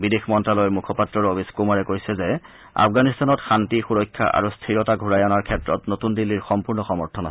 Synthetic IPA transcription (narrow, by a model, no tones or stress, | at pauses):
bidexmɔntɹalɔjɔmukʰɔpatɹɔɹobʱiskumaɹɛkojsɛzɛ | a̰fʰɡanistanɔtxantixuɹɔjkʰːa̰ʔa̰ɹustʰiɹɔtaɡʱuɹajanaɹkʰɛtɹɔtnotundilːiɹxɔmpuɹnɔxɔmɔɹtʰɔna